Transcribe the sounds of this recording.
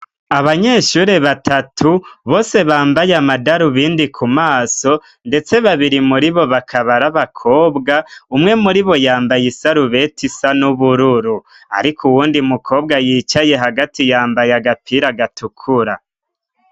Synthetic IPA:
aβaɲe̞ːʃuːɾe̞βatʰatʰuβo̞ːse̞βaːmbajamadaɾuβiːndikʰumaːso̞ | nde̞t͡se̞βaβiɾimuɾiβo̞βakʰaβaɾaβakʰo̞ːbɡaumŋe̞muɾiβo̞jaːmbajisaɾuβe̞tisanuβuɾuɾu | a̰ɾikʰuwuːndimukʰo̞ːbɡajiːt͡ʃaje̞ɦaɡatijaːmbajaɡapʰiɾaɡatʰukʰuɾa̰

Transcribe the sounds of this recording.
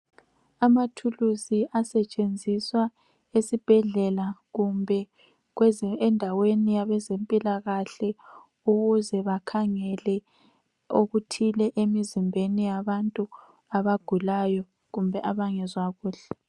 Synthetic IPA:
amatʰuluziʔasɛt͡ʃʼend͡zʱiswa | esib̥ʱɛɮɛlaɣumbʱɛ | ɣwɛzɛndʱawenijaβɛzempʼilaɣaɬɛ | uɣuzɛβakʰaŋɛlɛ | oɣutʰilɛʔemizimbʱenijaβantʼu | aβaɡ̥ʱulajɔ | ɣumbʱɛʔaβaŋɛzwaɣuːɬɛ

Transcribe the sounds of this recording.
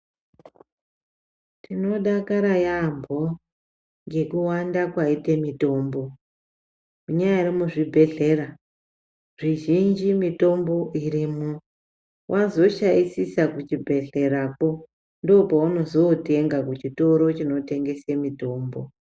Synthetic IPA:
tino̞ɗakaɾajambʱo̞ | ŋɡe̞kuwandakwaitemito̞ːmbo̞ | muɲajairimuʐibʱe̞ɮe̞ra | ʐiʒind͡ʒimito̞mbo̞ʔirimu | wʔazo̞ʃajisisakut͡ʃibʱe̞ɮe̞ɾapo̞ | ndo̞pauno̞zoteŋɡakut͡ʃito̞ɾo̞t͡ʃino̞te̞ŋɡe̞semito̞ːmbo̞̰

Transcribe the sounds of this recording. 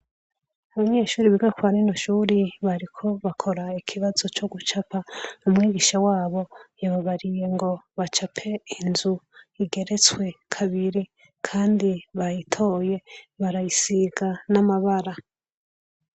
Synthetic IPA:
aβaɲe̞ːʃuːɾiβiɡakwaːɾino̞ʃuːɾiβaɾikʰo̞βakʰo̞ɾaikʰiβazo̞t͡ʃo̞ɡut͡ʃapaumŋiːɡiʃawaːβo̞jaβaβaɾije̞ŋɡo̞βat͡ʃapʰe̞inzuiɡe̞ɾe̞t͡swe̞kʰaβiɾi | kʰaːndiβajitʰo̞ːje̞βaɾajisiɡanamaβaɾa

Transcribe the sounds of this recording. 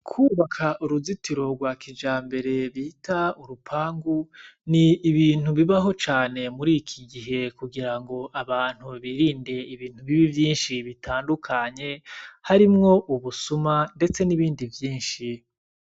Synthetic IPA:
kʰuːβakʰaʔuɾuzitiɾo̞ɡwakʰid͡ʒaːmbe̞ɾe̞βiːtauɾupʰaːŋɡuniːβiːn̥huβiβaɦo̞t͡ʃaːne̞muɾiːkʰiɡiɦe̞kuɡiɾaŋɡo̞ʔaβaːn̥huβiːɾiːnde̞iβiːn̥uβiβivjiːnʃiβitʰaːndukʰaɲe̞haɾimŋo̞ʔuβusumande̞t͡se̞niβiːndivjiːnʃi

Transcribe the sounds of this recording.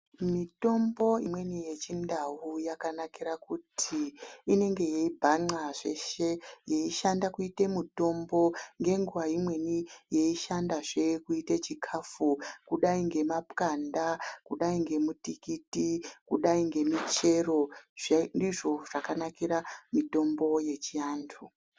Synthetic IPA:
mito̞mbo̞imwe̞nije̞t͡ʃindawujakanakiɾakutʰiːne̞ŋɡe̞je̞ibʱaŋ͡ǀaʐḛʃe̞jeiʃandakuite̞muto̞mbo̞ŋɡe̞ŋɡuʋaimwe̞nije̞iʃandaʐe̞kuitet͡ʃikʰafukuɗaiŋɡe̞mapkandakuɗaiŋɡe̞mutikitikuɗaiŋɡe̞mit͡ʃe̞ro̞ʐendiʐo̞ʐakanakiɾamito̞mbo̞je̞t͡ʃiaːndʰu

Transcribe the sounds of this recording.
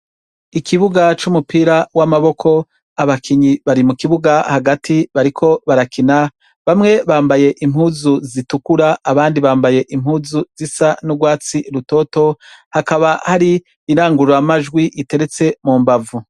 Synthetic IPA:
ikʰiβuɡat͡ʃumupiːɾawamaβo̞kʰo̞ | aβakʰiɲiβaɾimukiβuɡahaɡatʰiβaɾikʰo̞βaɾakʰina | βamŋe̞βaːmbaje̞ʔimhuːzuzitukuɾaːβaːndiβaːmbaje̞ʔimhuːzuzisanuɡwaːt͡siɾuto̞ːto̞hakaβahaɾiː | ɾaːŋɡuɾamaʒɡwiʔite̞ɾe̞t͡se̞muːmbavu

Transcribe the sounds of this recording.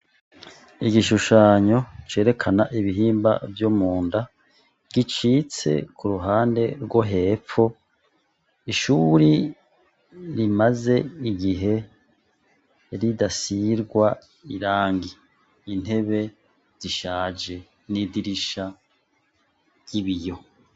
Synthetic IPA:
iɡiʃuʃaːɲo̞t͡ʃe̞ːɾe̞kʰanaʔiβiɦiːmba̰vjomuːnda | ɡit͡ʃiːt͡se̞̰kuɾuɦaːnde̞ɾɡwoɦe̞ːp͡ffo̞ | iʃuɾi | ɾimaze̞iɡiɦe̞ | ɾidasiɾɡwa | ḭɾaːŋɡiː | n̥he̞βe̞ | z̥iʃaːd͡ʒe̞ | nidiɾiʃa | ɟ̥iβijo̞

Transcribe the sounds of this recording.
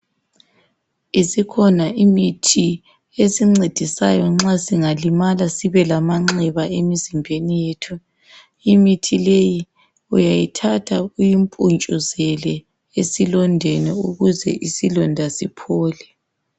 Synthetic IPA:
isikʰɔnaʔimitʰi | esiŋ͡ǀed̥ʱisa̰jɔŋ͡ǁasiŋalimalasiβɛlamaŋ͡ǁɛβaʔemizimbʱenijeːtʰu | imitʰileji | ujajitʰatʰaujimpʼunt͡ʃʼuzɛlɛ | esilɔndʱɛnɛuɣuzɛ̰ʔisilɔndʱasipʰɔːlɛ

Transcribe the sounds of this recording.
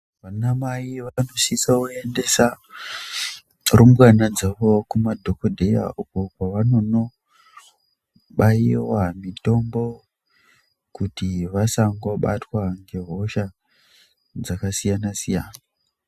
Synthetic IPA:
ʋanamaiʋano̞sisaue̞nde̞sa | rumbwanad͡zaʋokumadʱo̞kodʱeja̰ukokwaʋano̞no̞ | ɓaiwamito̞mbo̞ | kutiʋasaŋɡoɓatwaŋɡe̞ɦo̞ʃa | d͡zakasijanasijaːna

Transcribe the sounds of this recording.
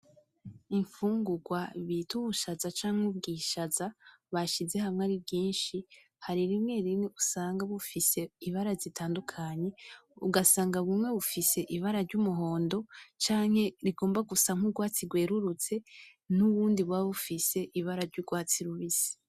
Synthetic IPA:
iɱfuːŋɡuɡwaβituβuʃazat͡ʃaːŋ̥hub̚ɡiʃaza | βaʃize̞hamŋaɾib̚ɟiːnʃi | haɾiɾimŋe̞ɾimŋeʔusaːŋɡaβufise̞iβaɾazitʰaːndukʰaɲe̞uɡasaːŋɡaβumŋe̞βufise̞ʔiβaɾaɾɟumuɦo̞ːndo̞t͡ʃaːŋ̥he̞ɾiɡo̞ːmbaɡusaŋ̥uɡwaːt͡siɡwe̞ːɾuɾut͡se̞nuβuːndiβwaβufise̞ʔiβaɾaɾɟuɡwaːt͡siɾuβisi̥

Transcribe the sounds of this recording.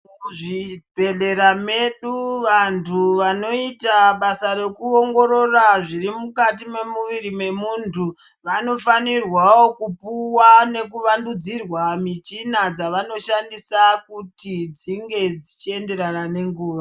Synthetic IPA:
muʐibʱeɮe̞ɾame̞ɗuʋantʰuʋano̞itaɓasaɾe̞kuoŋɡo̞ɾo̞raʐirimukat̬ime̞muʋiɾime̞muntʰu | ʋano̞fanirwawokupuwane̞kuʋandud͡zirwamit͡ʃinad͡zaʋano̞ʃandisakutid͡ziŋɡe̞d͡zit͡ʃie̞nde̞ɾanane̞ŋɡuːʋa

